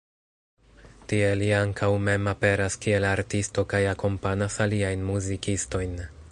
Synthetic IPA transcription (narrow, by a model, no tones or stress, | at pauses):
tie̞liaŋkʰawme̞mape̞ɾaskie̞laɾtisto̞kajako̞mpanasaliajnmuzikisto̞jn